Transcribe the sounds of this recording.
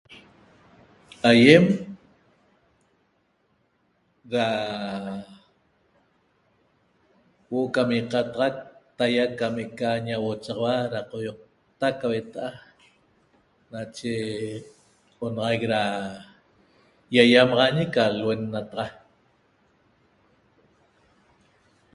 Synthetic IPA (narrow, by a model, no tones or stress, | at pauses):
ajem | ɾa | woʔokamiqɑt̪ɑʁɑk̚t̪ajakameʔkaɲawot͡ʃɑʁɑwaɾaqojoq̚ | t̪akːawet̪aʔa | nat͡ʃe | qʼonɑʁɑjk̚ɾa | jajamɑʁɑɲekalwenːat̪ɑʁɑ